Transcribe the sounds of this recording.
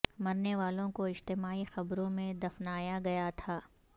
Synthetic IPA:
mɐɾneʋaːlõkoɪd͡ʒt̪ɪmaːixɐbɾõmẽd̪ɐfnaːjaɡɐjat̪ʰaː

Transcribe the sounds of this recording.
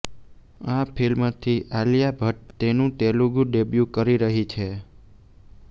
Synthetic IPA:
apʰilmt̪ʰiʔalijabʱəʈ̚t̪enũt̪eluɡũɖebjukəɾiɾəɦit͡ʃʰe

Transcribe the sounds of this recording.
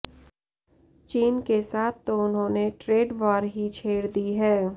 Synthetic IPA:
t͡ʃiːnkesaːt̪̚ʰt̪ːoʊnɦõːneʈɾeːɖʋaːɾɦit͡ʃʰeːɽd̪iɦɛː

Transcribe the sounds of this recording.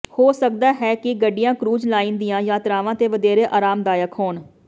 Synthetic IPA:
hoːsək̚d̪aːɦɛːkɪɡəɖːɪjãːkɾuːd͡ʒlaːiːnd̪ijãːjaːt̪ɾaːʋãːt̪eːʋəd̪eːɾeːʔaːɾaːmd̪aːjəkɦoːɳ

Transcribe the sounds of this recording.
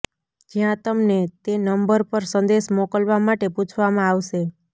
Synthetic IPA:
d͡ʒjãt̪əmnet̪enəmbəɾpəɾsə̃nd̪eʃmokəlʋamaʈeput͡ʃʰʋamãaʋʃe

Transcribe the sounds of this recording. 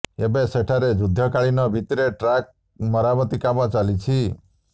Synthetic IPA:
ebeseʈʰaɾed͡ʒud̪ʱːɔkaɭinɔbʱit̪ɾeʈɾak̚ | mɔɾamɔt̪ikamɔt͡ʃalit͡ʃʰi

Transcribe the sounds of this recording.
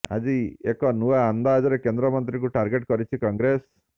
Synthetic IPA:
a̰d͡ʒiekɔnuaand̪ad͡ʒɔɾekend̪ɾɔmɔnt̪ɾik̬uʈaɾɡeʈkɔɾit͡ʃʰikɔŋɡɾes

